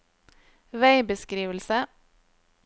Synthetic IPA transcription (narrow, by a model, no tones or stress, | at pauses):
ʋæɪbəskɾiːʋəlsə